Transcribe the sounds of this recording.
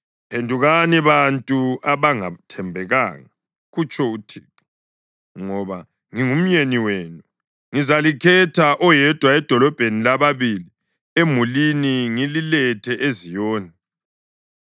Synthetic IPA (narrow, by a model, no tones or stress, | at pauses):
pʰendʱuɣaniβantʼuaβaŋa̰tʰɛmbʱɛɣa̰ːŋa | ɣut͡ʃʰʼɔutʰiːtu̥ | ŋɔβa | ŋiŋum̩ɲeniweːnu | ŋizalikʰɛtʰaʔɔjɛd̥ʱwaɛd̥ʱɔlɔb̥ʱenilaβaβili | emuliniŋililɛtʰɛʔezijɔːnɛ